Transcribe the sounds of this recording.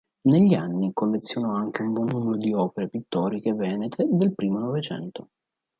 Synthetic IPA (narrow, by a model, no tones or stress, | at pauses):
neʎːianːikolːet̪sːjonɔaŋkeumbwɔnːumeɾod̪iɔːpeɾepit̪ːɔːɾikevɛːnet̪ʰed̪elpɾiːmonovet͡ʃɛ̰nt̪o